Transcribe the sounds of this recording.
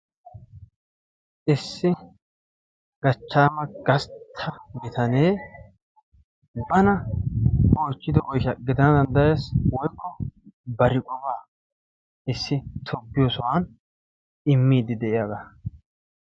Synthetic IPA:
ʔɪsːɪ | ɡ̥ɐt͡ʃːaːmɐɡɐst̪ʰːɐmɪt̪ʰɐneː | bɐnɐ | ʔoːt͡ʃːɪd̪ɪʔɔjʃɐɡɪd̪ɐnɐd̪ɐnd̪ɐjeːswɔjkːɔbɐɾɪkʼɔbaː | ɪsːɪt̪ʰɔbːɪjoːsɔwan | ɪmːiːd̪ɪd̪ɛʔɪjaːɡaː

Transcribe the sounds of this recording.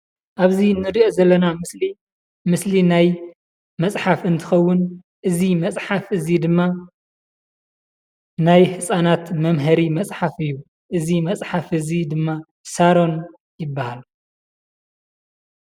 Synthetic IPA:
ʔaβzinɨɾiʔo̞zɐlːɐnamɨsli | mɨslinaj | mɐt͡sʼħafɨnt̪ʰɨxɐwːʊn | ʔɨzimɐt͡sʼħafɨzid̪ɨmːa | najhɨsʼanat̪mɐmɦɐɾimɐt͡sʼħafɨjːu | ʔɨzimɐt͡sʼħafhɨzid̪ɨmːa | saɾo̞n | jɪbːahal

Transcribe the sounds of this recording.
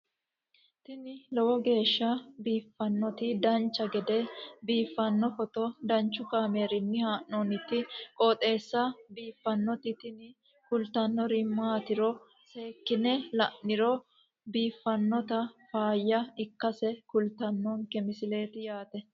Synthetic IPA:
t̪ɪnɪlɔwɔɡe̞ːʃːɐbiːfːɐnːɔt̪ɪd̪ɐnt͡ʃːɐɡɛd̪ɛbiːfːɐnːɔfɔt̪ɔd̪ɐnt͡ʃːʊkaːme̞ːɾɪnːɪhaːʔɔnɪt̪ːɪkʼɔːt̪ʼe̞ːsːɐbiːfːɐnːɔt̪ɪt̪ɪnɪ | kʊlt̪ɐnːɔɾɪmːaːt̪ɪɾɔ | se̞ːkːɪnɛlɐʔnːɪɾɔ | biːfːɐnːɔt̪ɐfaːjːɐɪkːɐsɛkʊlt̪ɐnːɔŋkɛmɪsɪle̞ːt̪ɪjaːt̪ɛ

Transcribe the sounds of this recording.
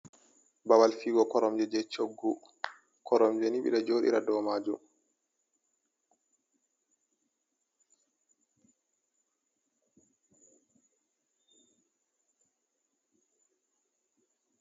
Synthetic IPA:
bawalfiːɡɔkɔɾɔmd͡ʒɛd͡ʒɛt͡ʃoɡːu | kʰɔɾɔmd͡ʒɛniɓḭɗad͡ʒoːɗḭɾa̰dɔːmaːd͡ʒum

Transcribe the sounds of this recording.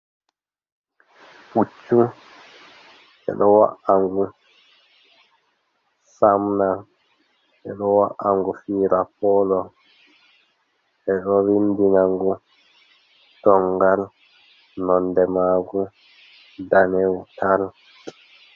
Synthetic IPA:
put͡ʃːu | ɛ̰ɗɔwa̰ʔaŋɡu | samna | ɛɗɔwaʔaŋɡufiːɾapɔlɔ | ʔɛɗɔwindinaŋɡu | tɔŋɡal | nɔndɛmaɡu | danɛwutal

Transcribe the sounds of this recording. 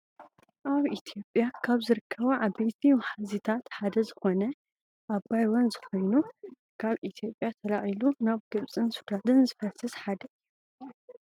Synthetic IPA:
ʔaβit̪ʰijo̞pʼːjakʰaβzɨɾɨkʰːɐβuʕaβbejt̪ʰiwħazit̪ʰat̪ħad̪ɐzɨxo̞nɐ | ʔabajwɔnzɨxo̞jnu | kʰaβit̪ʰijo̞pʼjat̪ʰɐlaʔilunaβɡɨβt͡sʼɨnsud̪ad̪ɨnzɨfɐsɨsħad̪ɐjːu

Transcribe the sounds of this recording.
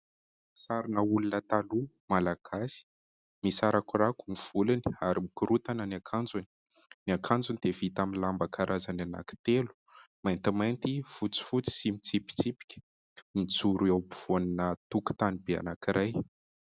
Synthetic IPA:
saɾinəulunət̪alu | malaɡ̥asi̥ | misaɾakurakumiv̥uliniaɾimikuɾut̪anənakʰand͡zuni̥ | niakʰand͡zunid̪̥evit̪amilambakʰaɾʔazanana̰ki̥t̪elu̥ | majnt̪imajnt̪ifut͡si̥fut͡si̥simit͡sipi̥t͡sipi̥kʲə̥ | mit͡suɾawbu̥v̥oninət̪uku̥t̪anibea̰nakiɾaj

